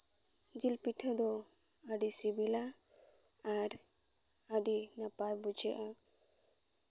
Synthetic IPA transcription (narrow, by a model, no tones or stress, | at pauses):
d͡ʒilpiʈʰəd̪ɔ | əɖisibila | aɾ | aɖinapaɾbud͡ʒɛʔa